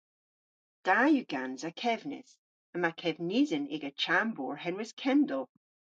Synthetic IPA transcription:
d̥ajʉɡ̥anzakʰɛvnɪ̰s | əmakʰɛvnizənḛɡat͡ʃʰambɔɹhɛnwɪskʰɛndɔlˠ

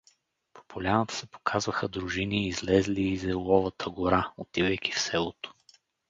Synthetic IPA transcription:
pʰo̥polʲanət̪ə̥sɛpo̥kʰazvəxəd̪ɾʊʒiniːzlɛzliːzɛlˠɔvət̪ʰəɡoɾaot̪ivɛjkʲifsɛlˠot̪o̥

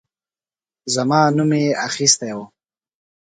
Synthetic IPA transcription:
zamɑːnumeaxist̪ejwo

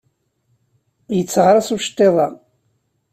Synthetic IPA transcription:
jət͡sːʁɾˤɑsuʃt̪ˤːeðˤɑ

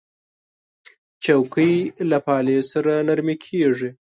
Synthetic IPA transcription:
t͡ʃawkəjlapɑlesaɾanaɾmikʰeʐi

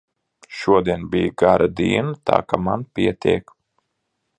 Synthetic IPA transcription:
ʃuɔd̪iɛnbʲijɡaɾʔad̪iːnat̪a̰ːkamanpʲiɛt̪ʲḭɛk

